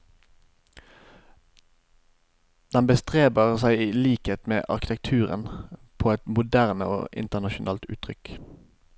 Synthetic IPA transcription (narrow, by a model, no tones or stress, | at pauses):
d̪̥ɛnbəst̪ʁeːbəʁsæɪiːliːkheːt̪mḛːʔɑ̰ʁkɪt̪ɛk̚t̪ʰʉːʁə̰npʰoːɛt̪mʊd̪æʁnəo̰ːʔɪ̰nt̪əʁnɑʃʊnʔɑ̰ːlt̪ʉ̰ːt̪ʰʁʏk